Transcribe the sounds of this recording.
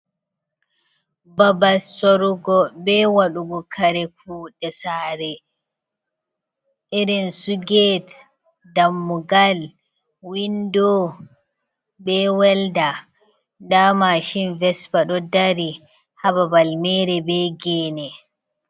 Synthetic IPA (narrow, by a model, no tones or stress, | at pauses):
babasɔɾuɡɔbɛwaɗuɡɔkʰaɾɛk̚ʰuːɗɛsaːɾɛ | ʔiɾɛnsuɡɛt | damːuɡal | windɔ | bɛwɛlda | damaʃinvɛsbaɗɔdaɾi | hababalmɛɾɛbɛɡɛːnɛ